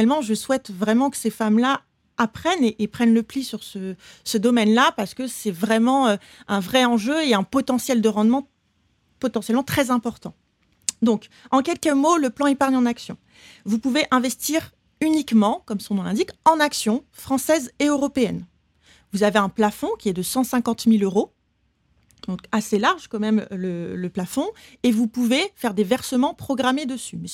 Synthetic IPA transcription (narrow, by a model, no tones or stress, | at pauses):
ɛlmɑ̃ʒəswɛt̪vʁɛmɑ̃kə̥sefamlaː | pχɛneʔːpχɛnləplisyʁsəsəd̪ɔmɛnlapaʁsə̥kəsɛvʁɛmɑ̃ø | ɛ̃vʁɛɑ̃ʒøeɛ̃pɔt̪ɑ̃sjɛld̪əʁɑ̃d̪mɑ̃ | pɔt̪ɑ̃sjɛlmɑ̃t̪χɛzɛ̃pɔʁt̪ɑ̰̃ | d̪ɔ̃k | ɑ̃kʲɛlkəmoləplɑ̃epaʁɲɑ̃naksjɔ̰̃ | vupuveʔɛ̃vɛst̪iʁ | ynikmɑ̃kɔmsɔ̃nɑ̃lɛ̃d̪ikɑ̃naksjɔ̃fχɑ̃sɛzeøʁɔpeɛn | vuzaveɛ̃plafɔ̃kʲiɛd̪əsɑ̃sɛ̃kɑ̃t̪miløʁo | d̪ɔ̃kaselaʁʒkɔmɛmlələplafɔ̃evupuvefɛʁd̪evɛʁsəmɑ̃pχɔɡʁamed̪əsymɛ